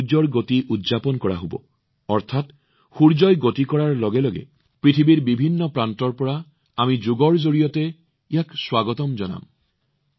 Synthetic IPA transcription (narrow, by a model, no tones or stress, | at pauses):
d͡ʒɔɹɡotiʔudzapɔnkɔɹa̰ɦobɔ̰ | ɔɹtʰat | xuɹd͡ʒɔjɡotikɔɹaɹlɔɡɛlɔɡɛ̰ | pɹitʰibiɹbibʱinːɔpɹantɔɹpɔɹa | amizoɡɔɹzoɹijɔtɛ | ijakswaɡɔtɔmzɔna̰m